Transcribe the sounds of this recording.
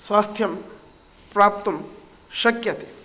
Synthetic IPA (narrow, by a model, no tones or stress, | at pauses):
swaːst̪ʰjɐm | pɾaːp̚t̪ɐm | ʃɐkjɐt̪e̥